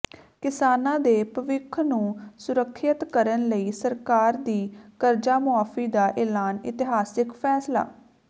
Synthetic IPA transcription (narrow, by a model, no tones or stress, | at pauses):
kɪsaːnãːd̪eːpəʋɪkʰnũːsʊɾəkʰːət̪kəɾənləiːsəɾkaːɾd̪iːkəɾd͡ʒaːmʊaːfiːd̪aːʔɛːlaːnɪ̰t̪ɪɦaːsɪkpʰɛːsla̰ː